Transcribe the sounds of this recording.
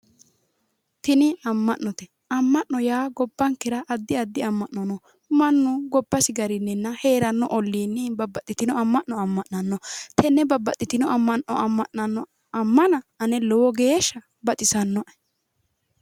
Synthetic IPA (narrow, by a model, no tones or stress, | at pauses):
t̪ɪnɪɐmːɐʔnːɔt̪ɛ | ɐmːɐʔnɔjaːɡɔbːɐŋkɪɾɐʔːd̪ːɪɐd̪ːɪɐmːɐʔnɔnɔ | mɐnːʊɡɔbːɐsɪɡɐɾɪnːɛnːɐhe̞ːɾɐnːɔ̰ʔɔlːiːnːɛbɐbːɐt̪ʼːɪt̪ɪnɔɐmːɐʔnɔɐmːɐʔnːɐnːɔt̪ʰɛnːɛbɐbːɐt̪ʼːɪt̪ɪnɔɐmːɐnːɔ̰ɐmːɐʔɐnːɔ | ɐmːɐnɐɐnɛlɔwɔɡeːʃːɐ | bɐt̪ʼɪsɐnːɔ